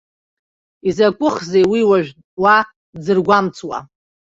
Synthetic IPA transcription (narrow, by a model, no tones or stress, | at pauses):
izakʷʼʊχzejwiwaʒᶣ | wa | d͡zɨrɡʷamt͡sʰʼwa̰